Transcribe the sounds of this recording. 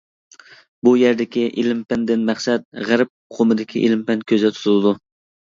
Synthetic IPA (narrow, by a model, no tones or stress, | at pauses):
bujæɾd̪ɪkʲiʔelɪmpɛnd̪ɪnmæχsɛt̪̚ʁæɾɪp̚qʰomɨd̪ɪkʲʰiʔḛlɪmpɛnkʲʰøzɛt̪ʰu̥t̪ʰulˠɨd̪u